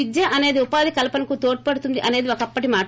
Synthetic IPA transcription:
id̪jɐʔɐne̞ːd̪iupaːd̪ikɐlɐpɐnɐkut̪o̞ːʈi̥pɐɽut̪und̪iʔɐne̞ːd̪iokɐpːɐʈimaː

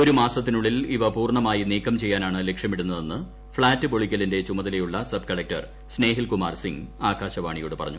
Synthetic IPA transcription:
o̞ɾumaːsɐt̪ːinuɭːiliʋɐpuːrɳɐmaːjiniːkʰːɐmt͡ɕe̞jːaːnaːɳɨlekʂjɐmiɽunːɐðenːɨ | fɭaːtːɨbo̞ɭikʲːɐlinde̞t͡ɕumɐðɐle̞juɭːɐsɐb̚kɐɭɐk̚tɐ̰r | sne̞ːɦilkumaːrsiŋaːɡaːɕɐʋaːɳijoːɽɨpɐrɐ̰ɲːu

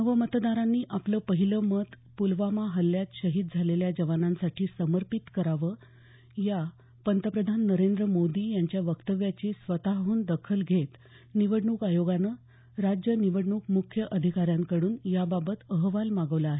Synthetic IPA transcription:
nəʋəmət̪d̪aɾanːiːʔapləːpəɦiləmət̪ | pulʋamaɦəlːjat̪ɕəɦiːd̪̚d͡zʱaleljad͡ʑəʋanãnsaʈʰiːsəməɾpit̪kəɾaʋəː | ja | pənt̪əpɾəd̪ʱanːəɾend̪ɾəmod̪iːjaɲt͡ɕjaʋəkt̪əʋjat͡ɕesʋət̪aɦuːnd̪əkʰəlɡʱet̪ | niʋəɽɳuːkajoɡanə | ɾad͡ʑjəniʋəɽɳuːkmukʰjəʔəd̪ʱikaɾjãŋkəɽuːnjababət̪əɦʋalmaɡəʋlaːɦe

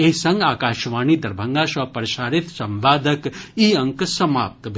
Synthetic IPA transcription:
esɐ̃ŋɡaːkaːʃʋaːniːd̪ɐɾbʱɐŋɡaːsʋɐpɾɐʃaːɾit̪sɐmʋaːd̪ʱɐkiɐ̃ŋksɐma̰ːp̚t̪bʱ

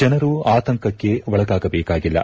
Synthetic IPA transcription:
d͡ʒɐnɐɾuaːt̪ɐŋkɐkːe̞ʋɐɭɐɡaːɡɐbɛːkaːɡilːɐ̰

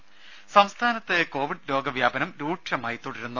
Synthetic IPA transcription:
sɐmst̪ʰaːnɐt̪ːeko̞ːʋiɖlo̞ːɡɐʋjaːbɐnɐmɾuːʈʂɐmaːjit̪ːoɽiɾunːu

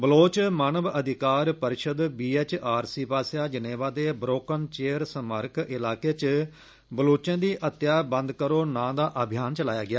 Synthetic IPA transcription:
bəloːt͡ʃmaːnəʋəd̪ɪkaːɾpəɾɪʃəd̪biːeːt͡ʃaːɾsiːpaːsjaːd͡ʒəneːʋaːd̪eːbɾoːkənt͡ʃeːəɾsəməɾkɪlaːkeːt͡ʃ | bəloːt͡ʃãːd̪iːʔət̪jaːbə̃nd̪kəɾoːnãːd̪aːʔəbʱɪjaːnt͡ʃəlaːjaːɡɪjaː

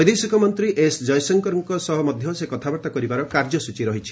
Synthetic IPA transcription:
ɔjd̪esikʰɔmɔnt̪ɾiʔesd͡ʒɔjsɔŋkɔɾɔŋkɔsɔɦɔmɔd̪ʱjɔsekɔt̪ʰabɔɾt̪akɔɾibaɾɔkaɾd͡ʒɔsut͡ʃiɾɔɦit͡ʃʰi̥

